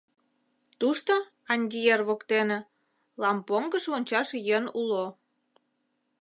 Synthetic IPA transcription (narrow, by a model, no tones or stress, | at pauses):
t̪uʃt̪o | ɑnʲd̪ʲijerβokt̪enĕ | lɑmpoŋɡəʃβonʲt͡ɕɑʃejənulo